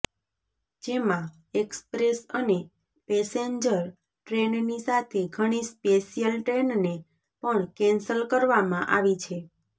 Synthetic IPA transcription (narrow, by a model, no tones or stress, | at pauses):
d͡ʒemã | ekspɾesəne | pɛseɲd͡ʒəɾ | ʈɾennisat̪ʰeɡʱəɽ̃ispesijəlʈɾenne | pəɳkɛ̃nsəlkəɾʋamãʔaʋit͡ʃʰe